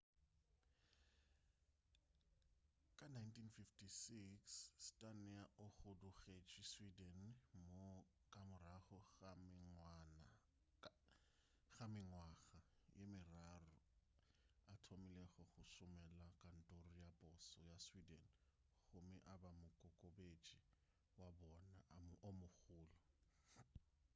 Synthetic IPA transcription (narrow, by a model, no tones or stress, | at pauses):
kʼanajntʰinfiftʰisiksːtʼanɛaʔʊχʊdʊɣet͡ʃʼiswidɛnmo | kʼamʊraχɔ | n | χamɪŋwaɣajemɪrarʊ | atʰomɪlɛɣɔχʊʃʊmɛlakʼan̩tʼorijapʼʊsɔjaswidɛn | χʊmɪʔabamʊkʼʊkʼobet͡ʃʼi | wabɔnaomʊɣʊːlɔ